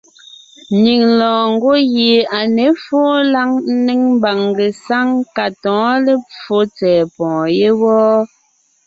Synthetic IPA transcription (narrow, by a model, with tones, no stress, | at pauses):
ni˨ŋlɔ̃ː˨ŋ̩˦ɡo˦ɣe˨a˨ne˨˦fɔː˦la˦ŋn̩˦ne˦ŋm˦ba˨ŋɡe˨sa˦ŋka˨tɔ̃ː˨˦le˦p͡fo˨˦t͡sɛː˨pɔ̃ː˨je˦wɔː˦